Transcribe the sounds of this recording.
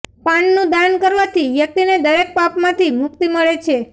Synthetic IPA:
paɳnũd̪ankəɾʋat̪ʰiʋjək̚t̪ined̪əɾek̚papmãt̪imʊk̚t̪iməɭet͡ʃʰe

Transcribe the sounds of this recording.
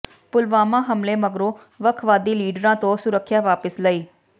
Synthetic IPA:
pʊlʋaːmãːɦəmleːməɡɾõː | ʋəkʰʋaːd̪iːliːɖəɾãːt̪õːsʊɾəkʰːjaːʋaːpəsləiː

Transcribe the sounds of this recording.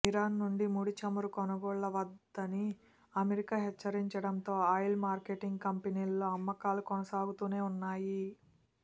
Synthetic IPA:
iɾaːnːuɳɖimuːɽit͡ʃɐmuɾukɔnɐɡɔːɭːɐʋɐd̪ːɐni | ɐmeɾikaːɦɛt͡ʃːɐɾiɲt͡ʃɐɽɐnt̪o̞ːɐjlmaːɾke̞ːʈiŋɡkɐmpeniːlːo̞ːɐmːɐkaːlukɔnɐsaːɡut̪uːne̞ːunːaːji

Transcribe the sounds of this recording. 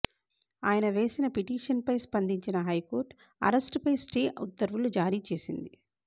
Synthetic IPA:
aːjɐnɐʋe̞ːsinɐpiʈiːʂɐnpɐjspɐnd̪iɲt͡ʃinɐɦɐjko̞ːɾʈ | ɐ̰ɾɐsʈpɐjsʈeːṵd̪ːɐɾʋulud͡ʒaːɾiːt͡ʃe̞ːsind̪i

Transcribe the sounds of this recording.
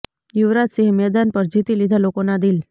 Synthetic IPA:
juʋɾat̪siɦmɛd̪anpəɾd͡ʒit̪ilid̪ʱalokonad̪il

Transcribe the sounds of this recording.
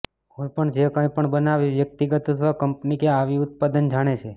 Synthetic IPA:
ojpəɳd͡ʒekə̃jpəɳbənaʋiʋjək̚t̪iɡət̪osʋakəmpnikeaʋiʊt̪̚pad̪ənd͡ʒaɽ̃et͡ʃʰe

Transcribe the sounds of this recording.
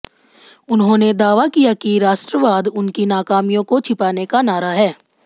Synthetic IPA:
ʊnɦõːned̪aːʋakijakiɾaːʃʈɾəʋaːd̪ʊnkinaːkaːmijõkot͡ʃʰɪpaːnekanaːɾaɦɛː

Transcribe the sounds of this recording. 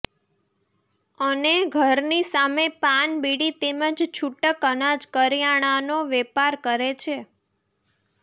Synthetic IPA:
əneɡʱəɾnisamepanbiɽit̪eməd͡ʒt͡ʃʰuʈəkənad͡ʒkəɾijaɽ̃anoʋepaɾkəɾet͡ʃʰe

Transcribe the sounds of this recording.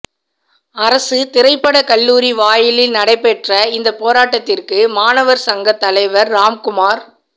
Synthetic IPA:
ɐɾɐsɯt̪ɪɾɐɪpːɐɽɐkɐɭːuːɾiʋaːjɪlɪlnɐɽɐɪpːɛʈrɐɪnd̪ɐpoːɾaːʈːɐt̪ːɪrkɯmaːnɐʋɐɾsɐŋɡɐt̪ːɐlɐɪʋɐɾːaːmkʊmaːɾ

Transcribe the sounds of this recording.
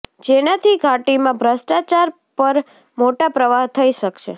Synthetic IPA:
d͡ʒenat̪ʰiɡʱaʈimãbʱɾəsʈat͡ʃaɾ | pəɾ | moʈapɾəʋaɦt̪ʰəiʃəkʃḛ

